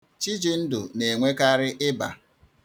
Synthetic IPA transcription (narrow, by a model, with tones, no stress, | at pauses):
t͡ʃi˦d͡ʒi˨n̩˦dʊ˨ne˨ŋʷe˦ka˦ɾɪ˦ʔɪ˦ba̰˨